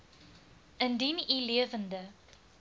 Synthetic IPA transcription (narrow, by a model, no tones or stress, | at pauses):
əndiniliəvəndə